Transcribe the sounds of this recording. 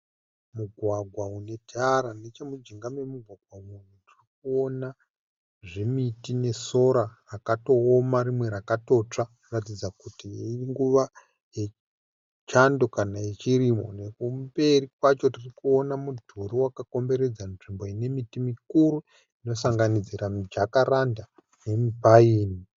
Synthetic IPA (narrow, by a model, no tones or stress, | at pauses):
muɡʱwaɡʱwaune̞tʰaɾanet͡ʃemud͡ʒiŋɡame̞muɡʱwaɡʱwamunutirik̚uo̞na | ʐemitine̞so̞ɾarakato̞ːmaɾimwe̞ɾakato̞t͡ʂanratid͡zakutiiiŋɡuʋa | je̞ | t͡ʃando̞kanaet͡ʃiɾimo̞nekumbe̞rikwat͡ʃo̞tirikuo̞namudʱuɾiwakako̞mbe̞ɾe̞d͡zamʐimbo̞ine̞mitimikuɾu | ino̞saŋɡanid͡ziɾamd͡ʒakaranda | ne̞mibʱaiːni